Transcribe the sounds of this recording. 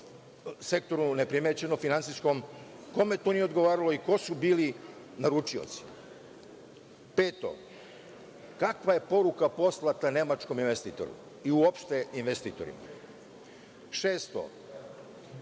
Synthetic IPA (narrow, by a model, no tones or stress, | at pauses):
se̞k̚t̪o̞ɾune̞pɾimet͡ɕe̞nofinant̪sisko̞mko̞met̪onijeod̪ɡo̞ʋaːɾalo̞iko̞subiːli | naɾut͡ʃio̞̰t̪si̥ | peːt̪o̞̰ | kakʋaje̞po̞ɾukapo̞slˠat̪ane̞mat͡ʃko̞minʋest̪iːt̪o̞̰ɾṵ | iuopʃt̪e̞inʋest̪iːt̪o̞̰ɾḭma̰ | ʃeːst̪o̰